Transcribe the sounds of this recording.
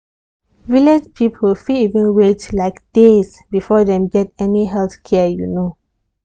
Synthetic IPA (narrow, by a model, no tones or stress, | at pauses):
viled͡ʒpʰipʰəlfiivə̃nɹetlaɪkd̥es | bifɔdɛ̃mɡɛtɛniɦɛlθkʰɛjuno